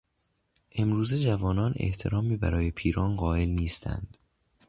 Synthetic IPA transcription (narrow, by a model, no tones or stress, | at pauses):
ʔe̞mɾuːze̞d͡ʒævɒːnɒːnḛht̪ʰe̞ɾɒːmiːbæ̰ɾɒːje̞pʰiːɾɒːnɢɒːe̞lniːst̪ʰæ̰nd̪̥